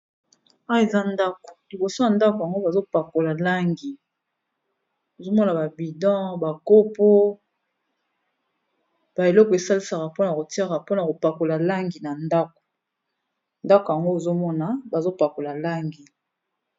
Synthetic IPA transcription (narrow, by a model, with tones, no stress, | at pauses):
a˦e˨za˦nda˦ko̥˨li˨bo˨so˦ja˨nda˦ko˨ja˨ŋɡo˦ba˨zo˦pa˨ko˨la˨la˦ŋɡi˨ | o˨zo˦mɔ˦na˨ba˨bi˨dɑ̃˦ba˨ko˦po˦ | b̥a˨e˨lɔ˦kɔ˨e˨sa˦li˦sa˨ka˨po˦na˨ko˨ti˦a˦ka˨po˦na˨ko˨pa˨ko˨la˨la˦ŋɡi˨na˨nda˦ko̥˨ | nda˦ko˨ja˨ŋɡo˦e˨zo˦mɔ˦na˨ba˨zo˦pa˨ko˨la˨la˦ŋɡi˨